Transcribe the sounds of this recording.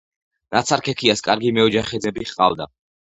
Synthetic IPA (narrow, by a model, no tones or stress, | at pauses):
nat̪sʰaɾkʰɛkʰiaskʼaɾɡimɛɔd͡ʒaχɛd̪zɛbiχqʼa̰vd̪a̰